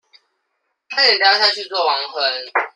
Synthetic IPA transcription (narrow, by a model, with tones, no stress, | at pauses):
kʰa˥jɛ˨˩lja˥˧ʊɕja˥˧t͡ɕʰy˥˧t͡swɔ˥˩wɑ˧˦ŋxə˧˦n